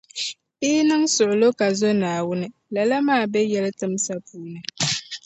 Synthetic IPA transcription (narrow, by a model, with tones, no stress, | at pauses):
i˦nɨ˦ŋsʊ˨ʔʊ˨lo˦ka˨zo˦naː˨wʊ˦nɨ˦ | la˨la˦maː˦˨bɛ˦jɛ˦lɨ˦tɨ˦msa˦puː˦nɨ˨